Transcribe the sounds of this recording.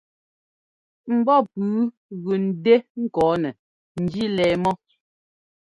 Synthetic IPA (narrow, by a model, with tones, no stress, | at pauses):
m̩˨bɔ˦pʉː˨˦ | ɣʉ˨n̩˨de˦ŋ̩˦kɔː˨˦nɛ˨ | n̩˨d͡ʒi˦lɛː˨mɔ˦